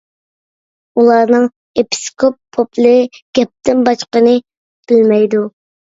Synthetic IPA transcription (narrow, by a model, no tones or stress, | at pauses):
ulˠɑɾnɨŋ | epʰi̥skʰopʰːopʰlˠɨɡ̥ʲɛp̚t̪ɪnbɑt͡ʃqənɨ | b̥ɪlmɛjd̪u